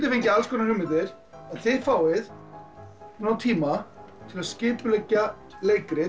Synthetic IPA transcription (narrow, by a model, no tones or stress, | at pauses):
t̪ɪfejɲcɪalskʰɔnaɾʏmːɪnt̪ɪɾ̥ | aðθɪð̥faːwɪð | nawt̪ʰiːma | t̪ʰɪlaðscɪːpʏlɛcːa | leːjkɾɪ